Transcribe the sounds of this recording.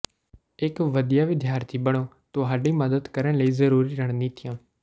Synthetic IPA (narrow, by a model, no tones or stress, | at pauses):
ɪkʋəd̪ɪjaːʋɪd̪ʱjaːɾt̪ʰiːbəɽ̃oː | t̪õːɦaːɖĩːməd̪əd̪kəɾəɳləiːzəɾuːɾiːɾəɳ̃nĩːt̪ʰɪjãː